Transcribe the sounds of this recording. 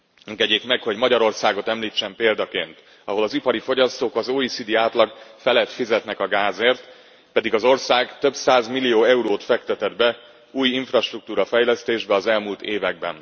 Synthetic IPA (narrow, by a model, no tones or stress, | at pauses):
ɛŋɡɛɟeːkmɛkho̞ɟmɒɟɒɾo̞rsaːɡo̞t̪ɛmliːt͡ʃːɛmpeːld̪ɒkeːnt̪ | ɒɦo̞lɒzipɒɾifo̞ɟɒst̪oːkɒzoːisid̪iaːt̪lɒɡfɛlɛt̪fizɛt̪nɛkɒɡaːzeːrt̪ | pɛd̪iɡɒzo̞rsaːɡt̪ø̞bsaːzmilːijoːɛuɾoːt̪fɛkt̪ɛt̪ɛd̪bɛ | uːjiɱfrɒʃt̪ruk̚t̪uːɾɒfɛjlɛst̪eːʒbɛɒzɛlmuːlt̪eːvɛɡ̚bɛ̰n